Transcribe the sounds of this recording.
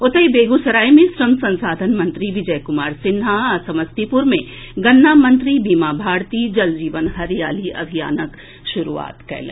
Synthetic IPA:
ʊt̪əjbeːɡusɐɾaːjmẽsɾɐmsɐ̃nsaːd̪ʱənmɐ̃nt̪ɾiʋɪd͡ʒɐjkʊmaːɾsɪnɦasɐməst̪ipʊɾmẽ | ɡɐnːaːmɐ̃nt̪ɾibiːmaːbʱaːɾt̪iːd͡ʒɐld͡ʒiːʋənɦɐɾija̰ːliɐ̰bʱija̰ːnək | ʃʊɾṵa̰ːt̪kɛ̰ːlḛ̃

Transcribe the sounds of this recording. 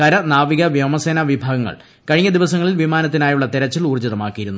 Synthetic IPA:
kɐɾɐnaːʋiɣɐʋjɐmɐseːnɐʋibʱaːɡɐŋːɐ̰ɭ | kɐɻiŋːɐd̪iʋɐsɐŋːɐɭilʋimaːnɐt̪ːinaːjuɭːɐt̪eɾɐt͡ɕːiluːrd͡ʑɐðɐmaːkːijiɾunːu

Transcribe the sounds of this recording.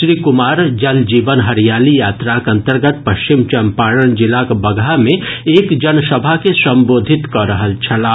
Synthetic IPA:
ʃɾiːkʊmaːɾd͡ʒɐld͡ʒiːʋənɦɐɾjaːlijaːt̪ɾakɐ̃nt̪əɾɡət̪̚pɐʃt͡ʃɪmt͡ʃɐmpaːɽəɽ̃d͡ʒɪlakbɐɡʱamẽeːkd͡ʒɐnsɐbʱakesɐ̃mboːd̪ʱɪt̪kəɾəɦəlt͡ʃʰɐlaː

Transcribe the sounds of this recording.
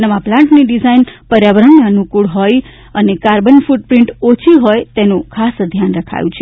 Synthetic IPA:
nəʋaplãɳʈniɖizajnpəɾjaʋɾənːiənukuɭɦoj | ənekaɾbənfuɖ̚pɾiɳʈot͡ʃʰiɦojt̪enũkʰasd̪ʱjanɾəkʰa̰jũt͡ʃʰe

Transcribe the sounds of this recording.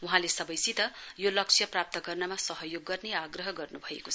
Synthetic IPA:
uɦãlesʌbʌjsit̪ʌjolʌk̚t͡sʰjʌprap̚t̪ʌɡʌrnʌmasʌɦʌjoɡːʌrneaɡrʌɦʌɡʌrnubʱʌḛko

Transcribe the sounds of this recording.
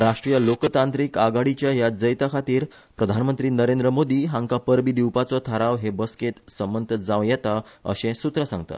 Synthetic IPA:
ɾaʂʈɾijəlokt̪ãnt̪ɾiːkaɡaɽit͡ɕjaɦjad͡zəjt̪akʰat̪iːɾ | pɾəd̪ʱanmənt̪ɾiːnəɾend̪ɾəmod̪iːɦãŋkapəɾbiːd̪iwpat͡sɔt̪ʰəɾaʋɦebəsket̪səmənt̪ʰəd͡zãʋjɛt̪aə̰ɕẽsut̪ɾəsãŋɡt̪a̰

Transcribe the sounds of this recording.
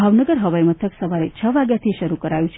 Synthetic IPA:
bʱaʋnəɡəɾɦəʋajmət̪ʰəksəʋaɾet͡ʃʰəʋaɡjat̪ʰiʃəɾukəɾajũt͡ʃʰe

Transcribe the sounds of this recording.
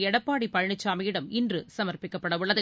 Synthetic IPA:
ɛɽɐpːaːɽipːɐɻɳɪt͡ʃːaːmɐjɪɽɐmɪndrɯsɐmɐrpɪkːɐpːɐɽɐʋʊɭːɐðɯ

